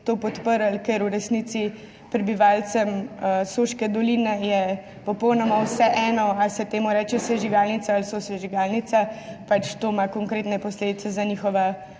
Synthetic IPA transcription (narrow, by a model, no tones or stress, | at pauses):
t̪oːpɔt̪pəɾəlkeɾuɾɛsnit̪si | pɾɛbiʋaːlsəməsoʃkɛd̪ɔlinɛjɛ | pɔpɔwnɔmawsɛʔɛːnɔasɛt̪eːmuɾɛt͡ʃɛsɛʒiʋalnit̪saːlsɔsɛʒiʋaːlnit̪sapat͡ʃt̪oːmakɔŋkɾeːt̪nɛpɔsleːd̪it̪sɛzaniːxɔʋa